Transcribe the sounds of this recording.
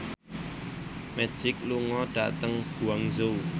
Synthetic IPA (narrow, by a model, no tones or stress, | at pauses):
mɛ̥d͡ʒ̥ɪk̚luŋɔɖ̥a̰t̪əŋb̥uaŋzo